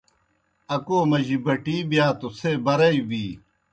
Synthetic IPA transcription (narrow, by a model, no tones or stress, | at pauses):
ɐkoːmɐʑibɐʈiːbjaːt̪oseːbɐɾɐibiː